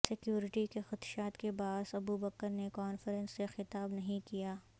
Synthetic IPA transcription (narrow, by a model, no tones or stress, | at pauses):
sɪkjuːɾɪʈikexɐt̪ʃaːt̪kebaːsɐbubɐkəɾnekɔːnfəɾə̃nsːexɪt̪aːbnɐɦĩkijaː